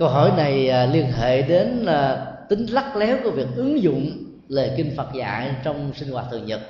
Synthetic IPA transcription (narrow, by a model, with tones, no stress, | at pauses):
kə˧wɦɔ˧˩jna˨˩jli˧ənɦḛ˧˨ɗe˨˦nː˨˩t̪ï˨˦ŋ̟la˦˥k̚lɛ˨˦wkːvi˨˩ək̚ʔɨ˨˦əŋzʊ̰˧˨ŋ͡m | le˨˩kï˧ŋ̟fə˨˩t̚za̰ː˧˨jt͡ɕɔ˧wŋ͡msï˧ŋ̟hwaː˧˩t̪ʰɨ˨˩əŋɲə˨˩t̚